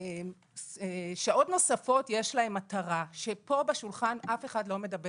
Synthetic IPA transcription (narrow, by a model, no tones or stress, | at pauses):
em | ʃaʔo̞tno̞safo̞tje̞ʃlae̞mataʁaʃe̞po̞beʃulχanʔafe̞χadlome̞dɐbe